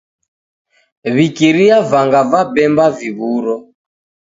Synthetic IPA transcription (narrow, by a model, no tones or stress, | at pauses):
βikiɾiavaŋɡavabɛmbaviβuɾɔ